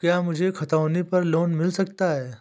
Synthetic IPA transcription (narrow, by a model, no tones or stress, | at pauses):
kjaːmʊd͡ʒʱekʰɐt̪aːnepɐɾloːnmɪlsɐk̚t̪aɦɛː